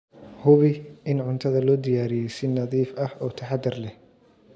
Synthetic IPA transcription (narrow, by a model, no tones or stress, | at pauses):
hʊβɪʔɪnʕʊnt̪ʰɐðɐlɔːd̪ɪjaːɾɪjɛsɪnɐðiːfɐhɔːt̪ʰɐħɑd̪ɪrlɛh